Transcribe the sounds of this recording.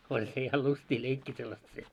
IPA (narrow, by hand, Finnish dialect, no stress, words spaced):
olʲ se jɑ lystʲiː leikːiː selːɑst se